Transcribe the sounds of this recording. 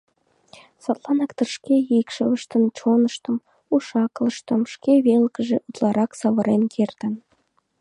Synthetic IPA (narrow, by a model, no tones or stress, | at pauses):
sɑt̪lˠɑnɑkt̪ə̆rʃkʲeikʃəβə̆ʃt̪ə̆nt͡ɕonɤʃt̪ɤ̆m | uʃɑklˠə̆ʃt̪ɤ̆mʃkʲeβelkə̆ʒĕʔut̪lˠɑɾʔɑksɑβɤ̆ɾenkʲʰert̪ən